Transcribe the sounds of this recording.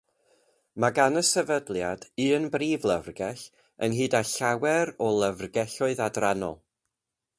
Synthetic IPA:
maɡanəsɛvədlˠjadɨːənbriːvlˠəvrɡɛɬ | ənɦɨːdaɬawɛɾɔlˠəvrɡɛɬɔɨðadranɔ̰lˠ

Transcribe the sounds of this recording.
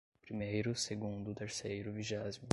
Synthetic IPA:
pɾimejɾʊseɡũnd̪ʊt̪eɾsejɾʊviʒɛzmʊ

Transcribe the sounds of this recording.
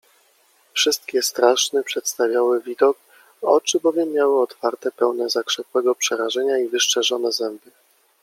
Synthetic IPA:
fʂɘst̪kʲɛst̪ɾaʂnɛpʂɛt̪st̪avʲjawɘvʲid̪ɔk | ɔ̰t͡ʂɘbɔvʲjɛmːjawɘɔt̪faɾt̪ɛpɛwnɛzakʂɛpwɛɡɔpʂɛɾaʐɛɲaivɘʂt͡ʂɛʐɔnɛzɛmbɘ

